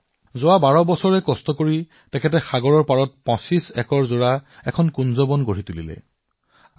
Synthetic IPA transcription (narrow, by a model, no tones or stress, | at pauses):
zʊwabaɹɔbɔsɔɹɛkɔstɔkoɹi | tɛkʰɛt̬ɛxaɡɔɹɔɹpaɹɔt̚pɔ̃sisɛkɔɹzʊɹaɛkʰɔnkunzɔbɔnɡoɹitulḭlɛ̰